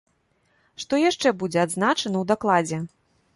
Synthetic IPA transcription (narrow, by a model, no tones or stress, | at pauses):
ʂt̪ɔjaʂt͡ʂɛbud͡zʲɛad̪znat͡ʂɐnɐwd̪aklˠad͡zʲɛ